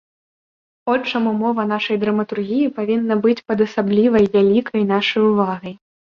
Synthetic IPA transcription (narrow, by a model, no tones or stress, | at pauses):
ɔt͡ʂɐmumɔvɐn̪aʂɐjd̪ɾɐmɐt̪urɣʲijipavʲinːɐbɨt͡sʲpɐd̪ɐsablʲivɐjvʲalʲikʰɐjn̪aʂɐjuvaɣɐj